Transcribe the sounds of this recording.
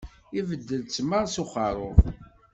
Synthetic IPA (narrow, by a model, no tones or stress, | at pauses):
ivəd̪ːəlt͡sːmːəʁsʊχɑɾˤʊ